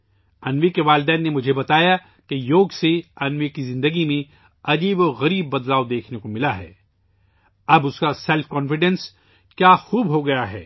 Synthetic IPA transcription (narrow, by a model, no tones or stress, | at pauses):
ɐnʋekeʋaːlɪd̪ɛːnːemʊd͡ʒʱebɐt̪aːja | kejoːɡseɐnʋekizɪ̃nd̪əɡimẽ | ɐd͡ʒiːbɔɾɣɐɾiːbːɐd̪laːod̪eːkʰnekomɪlaɦɛ̰ː | ɐbʊskasɛlfkɔ̃ːnfɪɖɛ̃ns | kjaːxuːbɦoɡɐjaɦɛ̰ː